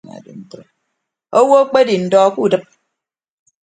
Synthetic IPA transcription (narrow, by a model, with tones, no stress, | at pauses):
na̰˨dḭ˨n̩˦to˨ | o˦wo˦k͡pe˦di˨n̩˨dɔ˦ku˦˨dɨ˦p̚